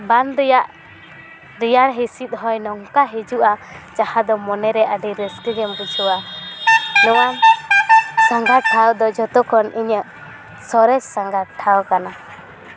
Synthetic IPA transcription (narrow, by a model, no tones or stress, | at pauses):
banɾɛjaʔ | ɾijaɾɦisit̪̚ɦɔjnɔŋkaɦid͡ʒuʔat͡ʃahad̪ɔmɔnɛɾɛʔəɖiɾəskəɡɛmbut͡ʃʰuwa | nɔwam | saŋɡaʈʰawd̪ɔd͡ʒɔt̪ɔkɔniɲəʔ | sɔɾɛt͡ʃsaŋɡaʈʰawkana